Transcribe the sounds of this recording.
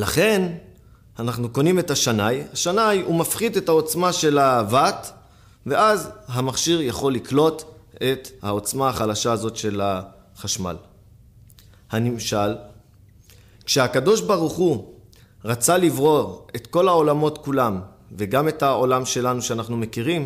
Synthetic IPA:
laχe̞n | anaχnuko̞nime̞thaʃanajhaʃanajumafχide̞thao̞t͡smaʃe̞lavat | ve̞ʔazɦamaχʃiʁjaχo̞lːiklo̞te̞thao̞t͡smahaχalaʃaːzo̞tʃe̞la | χaʃma̰l | hanimʃal | kʃehakado̞ʃbaʁuχu | ʁat͡salivʁo̞ʁetko̞lao̞lamo̞tkulam | veɡame̞tao̞lamʃe̞lanuʃeanaχnume̞kiʁim

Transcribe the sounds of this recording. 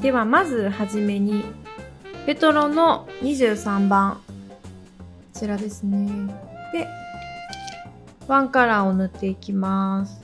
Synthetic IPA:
d̪̥e̞βamazɨhaʑime̞ɲ̟i | be̞t̪o̞ɾõ̞no̞ɲ̟iʑɨːsãmbãŋ | t͡ɕiɾad̪e̞sɨne̞d̪̥e̞ | βãŋkaɾaonɯ̟t̪ːe̞ikʲimasɨ̥

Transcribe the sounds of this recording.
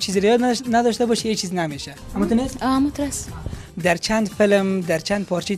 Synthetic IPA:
t͡ʃʰizɾjɔd̪nad̪ɔʃt̪abɔʃiet͡ʃʰiznameʃa | amut̪unesɔamut̪ɾasd̪aɾt͡ʃʰand̪fɪlmd̪aɾt͡ʃʰand̪̚pʰɔɾt͡ʃʰi

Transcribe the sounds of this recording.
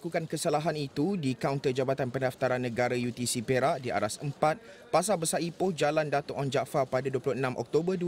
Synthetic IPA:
kukankəsalaɦanit̪udikawnt̪ərd͡ʒabat̪anpəndaft̪aɾanːə̃ɡaɾajut̪isipeɾaʔdia̰ɾasəmpat̪̚ | pas̬abəsaʔipohd͡ʒalandat̪ʊʔɔnd͡ʒaʔfapadaduəpulʊhənãmʔɔ̰k̚t̪obədu

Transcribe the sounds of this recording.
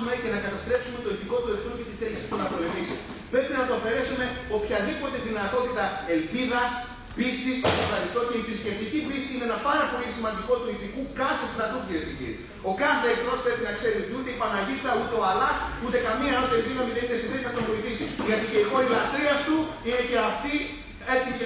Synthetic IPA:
ume̞ce̞nɐkɐt̪ɐst̪ɾe̞psumet̪o̞iθiko̞t̪ue̞θnuce̞t̪iθe̞lisit̪unɐpo̞le̞misi | pɾe̞pinɐp̪oɐfe̞ɾe̞sume̞o̞pçɐðipo̞t̪e̞ðinɐt̪o̞t̪it̪ɐe̞lpiðɐs | pist̪isot̪ofxɐɾist̪o̞ce̞ifɾiscʲe̞ft̪icipisiineenɐpɐɾɐpo̞lʲisimɐnd̪iko̞t̪uiθikukɐθe̞st̪ɾɐt̪ut̪iɾesiɟḭɾ | o̞kɐθe̞ːk̪ɾo̞spɾe̞pinɐkse̞ɾit̪ut̪e̞ipɐnɐʎitsɐut̪e̞oɐlɐut̪e̞kɐmiɐnot̪oed̪inomiðenineseðet̪ɐt̪ovoiθisiʝɐt̪ice̞ixo̞ɾilɐt̪ɾiɐst̪uine̞ce̞ɐft̪i | et̪i

